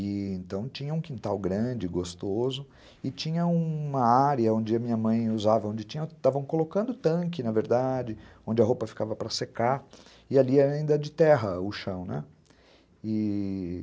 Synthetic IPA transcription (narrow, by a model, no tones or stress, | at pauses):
ɪẽnt̪ɐ̃w̃t͡ʃĩɲɐũkĩnt̪awɡɾɐ̃d͡ʒɪɡost̪ozʊ | ɪt͡ʃĩɲɐũmɐaɾjɐõnd͡ʒɪɐmĩɲɐmɐ̃j̃uzavɐõñd͡ʒɪt͡ʃĩɲɐt̪avɐ̃w̃kolokɐ̃nd̪ʊt̪ɐ̃k̬ɪnɐveɾd̪ad͡ʒɪõnd͡ʒɪɐɦowpɐfi̥kavɐpɾɐseka | ɪaliɛɾĩnd̪ɐd͡ʒɪt̪ɛɦɐʊʃɐ̃w̃nɛ | ɪ